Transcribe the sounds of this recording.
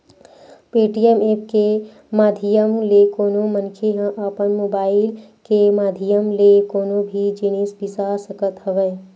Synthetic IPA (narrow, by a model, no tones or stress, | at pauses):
peːʈijemeːp̚ke | maːd̪ʱijəmlekoːnomənkʰeɦə̃ʔapənmoːbaːɪlkemaːd̪ʱijəmlekoːnobʱid͡ʒinisbisasəkət̪ɦəʋɛ